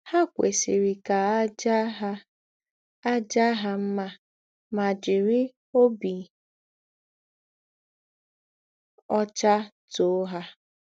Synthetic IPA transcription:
ha˦kʷḛ˨si˨ɾi˨ka˨˦d͡ʒ | a˦d͡ʒa˦ɦa˦m̩˦ma˦ | ma˨d͡ʒɪ˨ɾi˦ | o˦bi˨ | ɔ˦t͡ʃa˦ | to˦ɦa˦

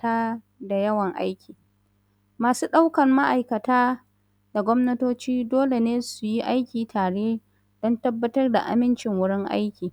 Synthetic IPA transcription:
taː˦ | da˨jɐ˦wɐ˨ŋʔa̰˦jkʲiː˨ | maː˨suː˦ɗa˦wkɐ˨mma˦ʔa˨jkɐ˨taː˦ | da˨ɡʷɔ˦mnɐ˦toː˦t͡ʃiː˦doː˦le˨neː˦su˨ji˦ʔa˦jkʲiː˨tʰaː˨ɽeː˦ | d̥ɔ˦ntɐ˦bːɐ˦tɐ˦rda̰˨ʔa̰˨mɪ˦nt͡ʃɪ˨ŋwʊ˦ɽɪ˦ŋʔa̰˦jkʲiː˨

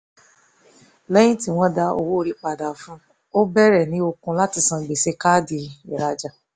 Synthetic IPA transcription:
lɛ˦j̃ĩ˦ti˦w̃ɔ̃˦da˧o˧wo˦o˧ɾi˧k͡pa˨da˨fũ˦ | o˦bɛ˦ɾɛ˦˨nĩ˨˦o˧kũ˧la˦ti˨˧sã˧ɡ͡be˨se˧˦ka˦di˧i˨ɾa˧d͡ʒa˨

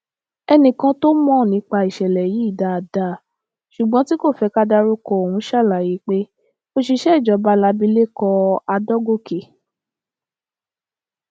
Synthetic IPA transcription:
ɛ˧nĩ˧kã˧to˦mɔ̃˦˨nĩ˨˧˦k͡pa˧i˨ʃɛ˨lɛ˨ji˨˦˨da˨da˨ | ʃu˨ɡ͡bɔ̃˦ti˦ko˦˨fɛ˧˦ka˦da˧ɾu˦kɔ˧o˨hũ˨˦ʃa˦˨la˨ji˨˦k͡pe˦ | o˧ʃi˧ʃɛ˦i˦˨d͡ʒɔ˧˦ba˧˦la˧bi˧˦le˦kɔ˧a˧dɔ˦ɡo˦˨ke˨

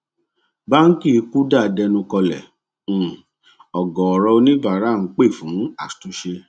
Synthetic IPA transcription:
ba˦n̩˦ki˦˨˧ku˦da˦˨dɛ˧nũ˧kɔ˧lɛ̰̃˨˦˨ | ɔ˨ɡɔ˨ɔ˨ɾɔ˧o˧nĩ˦ba˨ɾa˨˦˨ŋ̩˦k͡pe˦˨fũ˨˦a˨tu˨˦ʃe˧

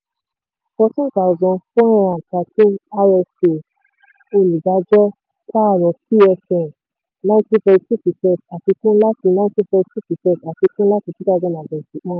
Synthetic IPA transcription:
fɔ˧tĩ˦ta˨zɔ̃˧fɔ˦ɾ̃ã˧a˨ta˨˦tĩ˦a˧ɛ˧se˨ | o˧li˨da˨˦d͡ʒɔ˦ | ka˦a˨ɾɔ̃˨ki˦ɛ˧fɛ̃˨ | nã˦ti˦fɛ˧si˦pi˨tɛ˦˨ta˨ti˧kũ˦la˦ti˧nã˧˦ti˦fɛ˧si˦pi˨tɛ˦˨ta˨ti˧kũ˦la˦ti˧ti˦da˧d͡ʒɔ˧˦nã˨bɛ̃˨si˨˦k͡pã˦

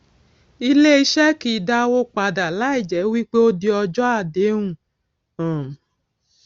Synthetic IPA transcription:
i˧le˦i˧˦ʃɛ˦ki˧˨da˦wo˦k͡pa˧da˨la˦i˦˨d͡ʒɛ˨˦wi˦k͡pe˦o˦di˧ɔ˧d͡ʒɔ˦a˦˨de˨˦ŋũ˦˨ | ã˨

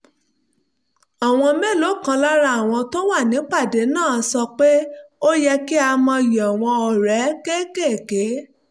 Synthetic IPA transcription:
a˨w̃ɔ̃˧mɛ̃˦˨lo˨˦˨kã˧la˦ɾa˧˦a˨w̃ɔ̃˧to˦wa˦˨nĩ˨˦k͡pa˦˨de˨˦nãː˦˨˦sɔ˧k͡pe˦o˦jɛ˧ki˦a˧mɔ̃˧ji˨ɔ˨w̃ɔ̃˧ɔ˨ɾɛ˨˦ke˦ke˦˨ke˨˦

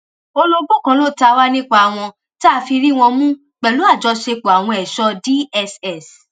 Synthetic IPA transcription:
o˧lo˧bo˦˨kã˨˦lo˦˨ta˧wa˦nĩ˦k͡pa˧a˨w̃ɔ̃˧ | ta˦˧fi˧ɾi˦w̃ɔ̃˧mũ˦ | k͡pɛ˨lu˨˦a˦˨d͡ʒɔ˧˦ʃe˧k͡po˨a˨w̃ɔ̃˧ɛ˨ʃɔ˦di˦ɛ˧sɛ˦˨s

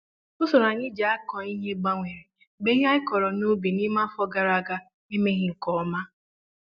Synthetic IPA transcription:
ʊ˦so˨ɾa˨ɲɪ˦d͡ʒa˨a˦kɔ˨i˦ɦe˦ɡ͡ba˦ŋʷe˨ɾe˨ | ɡ͡be˦ɦa˦ɪ˦kɔ˨ɾɔ˨no˦be˨ni˦ma˦fɔ˦ɡa˦ɾa˦˨ɡa˦ | ni˦me˦ɣɪ˦ŋ̩˨kɔ˨˦ma˦

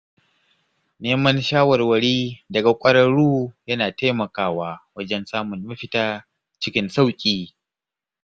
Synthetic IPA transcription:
neː˦mɐ˦nʃaː˦wɐ˨rwɐ˨ɽiː˦dɐ˨ɡa˨kʷʼɐ˦ɾɐ˦ɽuː˦jɐ˦naː˨ta˦jmɐ˨kaː˦waː˦wɐ˦d͡ʒɛ˦nsaː˦mʊ˨nmɐ˦ɸɪ˦taː˦ | t͡ʃɪ˦kʲɪ˦nsa˦wkʲʼiː˨

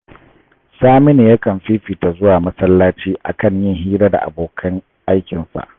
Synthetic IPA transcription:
saː˦mɪ˦neː˨ja˦kɐ˨mɸiː˦ɸiː˨ta˨zʊ˦waː˨mɐ˦sɐ˦lːaː˦t͡ʃiː˦ʔa̰˨kɐ˦˨ɲjɪ˦ŋɦiː˦ɾa˦da̰˨ʔa̰˨boː˨kʰɐ˦ŋ | ʔa˦jkʲɪ˨nsa̰˨ʔ

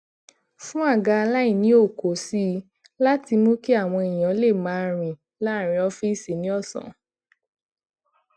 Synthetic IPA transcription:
fũ˦a˦˨ɡa˧la˦ĩ˦˨nĩ˨˦o˦˨ko˨˦si˦ | la˦ti˧mõ˦ki˦a˦˨w̃ɔ̃˧i˨j̃ã˨˦le˦˨mã˨˦ɾ̃ĩ˨ | la˦˨ɾ̃ĩ˧˦ɔ˧fi˦˨si˨nĩ˨˦ɔ˦˨sɔ̰̃˨

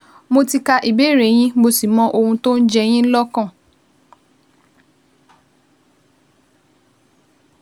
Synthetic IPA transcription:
mo˧ti˧ka˧ʔi˨be˦˨ɾe˨˦˨j̃ĩ˦mo˧si˨mɔ̃˧ʔo˧hũ˧to˦n̩˦d͡ʒɛ˧j̃ĩ˦n̩˦lɔ˦kã˦˨

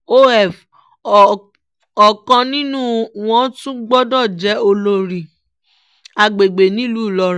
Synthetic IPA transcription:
o˦ɛ˦˨f | ɔ˨kã˧nĩ˦nũ˦w̃ɔ̃˦tũ˦ɡ͡bɔ˦dɔ˦˨d͡ʒɛ˨˦o˧lo˧ɾi˨ | a˧ɡ͡be˨ɡ͡be˨nĩ˦˨lu˦˨lɔ˧ɾ

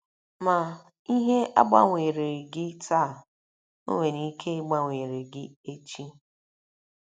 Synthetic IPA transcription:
ma˨ | i˦ɦe˦ʔa̰˦ɡ͡ba̰˦ŋʷe˨ɾe˨ɾɡɪ˦ta˦˨ | o̰˦ŋʷe˨ni˦kʰe˦ɡ͡ba˦ŋʷeː˨ɾe˨ɡɪ˦e˦t͡ʃi˦

